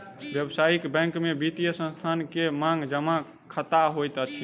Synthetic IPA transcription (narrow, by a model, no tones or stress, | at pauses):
bjəbsaikbɛ̃ŋkmebit̪ijəsə̃nst̪ʰankemãŋɡd͡ʒəmã | kʰət̪aɦojt̪ət͡ʃʰi